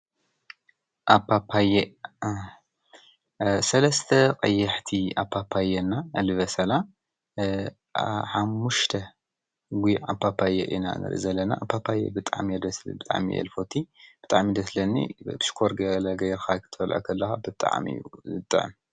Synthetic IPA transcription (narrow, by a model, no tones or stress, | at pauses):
ʔapʰːapʰaje | sɐlɐst̪ʰɐkʼɐjːɐħt̪ʰiapʰːapʰːajɛnːaɨlɨβɐsɐla | ħamːuʃt̪ʰɐ | ɡʷia̰pːapʰːajɛ̰ʔḭna̰nɨ̰ɾʔḭzɐlːɐna̰ʔa̰pʰːapʰːajḛbɨt̪ʼa̰ʕmid̪ɐsbɨt̪ʼa̰ʕmḭʔɛ̰lfo̞t̪ʰibɨt̪ʼaʕmid̪ɐslɐnːḭt̪ɨ̥ʃkʰoɾɡɐlɐɡɐjɾxakʰɨt̪ʰɐfɐlʕa̰kʰɐlːɐxabɨt̪ʼa̰ʕmḭjːuɨt̪ʼːʕm